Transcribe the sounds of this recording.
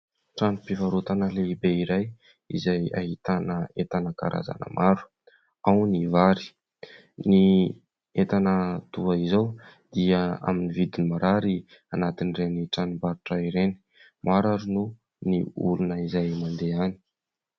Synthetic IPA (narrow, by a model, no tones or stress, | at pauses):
ʈ͡ʂanipivaɾut̪anəleibeiɾaj | ḭzaja̰ɦit̪anəet̪anəka̰ɾʔa̰za̰nə̰mʔaɾu̥ | awnivaɾi̥ | ni | et̪anət̪uaizaw | d̪̥iəa̰minivid̪inimaɾaɾi | anat̪inireniʈ͡ʂanibaɾuʈ͡ʂaiɾeni̥ | maɾaɾunu | niṵlunəizajmand̪eani̥